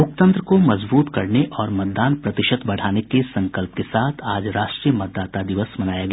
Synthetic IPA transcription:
ʊk̚t̪ə̃nt̪ɾəkomɐzbuːt̪kɐɾneʔɔːɾmɐt̪̚d̪aːnpɾɐt̪ɪʃət̪bɐɽ̤aːnekesɐ̃ŋkəlp̚kesaːt̪ʰaːd͡ʒɾaːʃʈɾijəmɐt̪̚d̪aːt̪ad̪ɪʋəsmɐnaːjaɡɐː

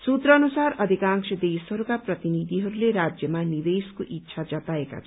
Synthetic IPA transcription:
sut̪rʌːnusaɾʌd̪ʱikãŋksʌd̪esɦʌɾukaprʌt̪inid̪ʱiɦʌɾuleɾad͡zjʌmanid̪eskoʔitːʃʰad͡zʌt̪aeka̰t͡sʰ

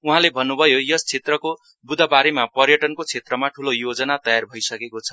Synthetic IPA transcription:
uɦãlebʱʌnːubʱʌjojʌst͡sʰet̪rʌko | bud̪ʱʌbaɾemapʌrjʌʈʌnkot͡sʰet̪rʌmaʈʰulojod͡zʌnat̪ʌjarbʱʌjsʌkekot͡sʰʌ̥

